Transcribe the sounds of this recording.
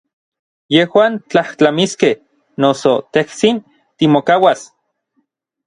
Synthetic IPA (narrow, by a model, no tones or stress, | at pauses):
jehwaːnt͡ɬaht͡ɬamiskeh | nosot̪eht͡sin | t̪imokawas